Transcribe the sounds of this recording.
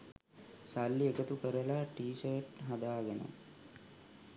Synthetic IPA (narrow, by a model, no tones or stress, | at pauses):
salːiekət̪ukəɾəlaʈiːsərʈɦad̪aːɡenṵ